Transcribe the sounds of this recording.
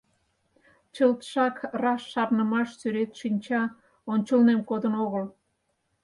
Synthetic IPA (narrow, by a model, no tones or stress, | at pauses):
t͡ɕəlt̪ʃɑkrɑsːɑrnəmɑʃsyɾet̪ʃinʲt͡ɕɑ | onʲt͡ɕəlnemkod̪ənoɣəl